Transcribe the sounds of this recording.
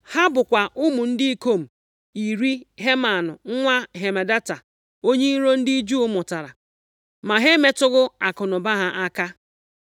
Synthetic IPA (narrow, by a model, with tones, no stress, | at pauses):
ha˦bʊ˨kʷa˨ʔʊ˦mu˨n̩˦dɪ˦i˦ko˦˨m̩˨ | i˨ɾi˦ɦe˦ma˨nʊ̰˨ŋ̩˦ŋʷa˦ɦe˨me˨da˦ta˨ | o˦ɲe˦i˦ɾo˦n̩˦di˦i˦d͡ʒu˦ʊ˦mʊ˨ta˨ɾa̰˨ | ma˨ɦe˦me˦tʊ˦ɣʊ˦a˨kʊ˨nʊ˨ba˦ɦa˦ʔa˦ka˦